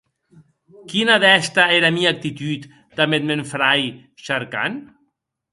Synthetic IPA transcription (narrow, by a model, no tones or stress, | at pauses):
kinaðɛst̪aeɾamiak̚t̪it̪yt̪ | d̪̥amet̪̚meɱfɾaj | ʃaɾka̰n